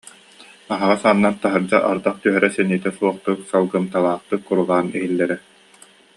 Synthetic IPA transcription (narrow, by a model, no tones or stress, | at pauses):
aɦaʁasaːnːant̪aɦɯɾd͡ʑaʔaɾd̪aχt̪yɦɛɾɛsɛniːt̪ɛsuɔχt̪ɯksalˠɡɯmt̪alˠaːχt̪ɯkːuɾulˠaːnɛɦilːɛɾɛ